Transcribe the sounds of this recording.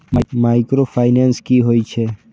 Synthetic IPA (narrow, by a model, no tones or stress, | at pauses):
mmaːɪkɾopʰaːɪnenskiɦoːit͡ʃʰeː